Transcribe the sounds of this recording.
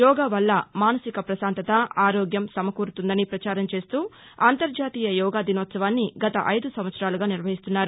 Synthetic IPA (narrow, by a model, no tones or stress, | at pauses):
jɔːɡaːʋɐlːɐmaːnɐsikɐpɾɐsaːnt̪ɐt̪ɐaːɾoːɡjɐmsɐmɐkuːɾut̪und̪ɐnipɾɐt͡ʃaːɾɐmt͡ʃe̞ːst̪uː | aːnt̪ɐɾd͡ʒaːt̪iːjɐjɔːɡaːd̪inɔːt̪sɐʋaːnːiɡɐt̪ɐʔɐjd̪usɐmʋɐt̪sɾaːluɡaːniɾʋɐɦist̪unːaːɾu